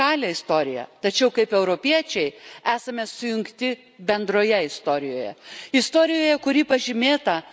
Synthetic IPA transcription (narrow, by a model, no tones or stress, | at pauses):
ɑːlʲɛɪst̪oːɾʲɪjɛ̰t̪ɐt͡ʃʲɛʊkɐɪpɛʊɾopʲiɛt͡ʃʲɛɪæːsɐmʲɛsʊjʊŋkt̪ʲɪ | bʲɛnd̪ɾoːjɛɪst̪oːɾʲɪjoːjɛ̰ɪst̪oːɾʲɪjoːjɛkʊɾʲiːpɐʒʲɪmʲeːt̪ɐ